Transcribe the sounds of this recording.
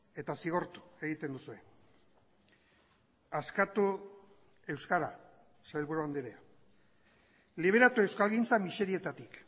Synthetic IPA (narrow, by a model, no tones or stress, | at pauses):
e̞t̪asiɣ̞o̞ɾt̪u̥e̞ɣit̪e̞nd̪usue̞ | askat̪u | e̞wskaɾa | saelβuɾuand̪iɾea | liβ̞e̞ɾat̪ue̞wskalɣint͡samise̞ɾie̞t̪at̪ik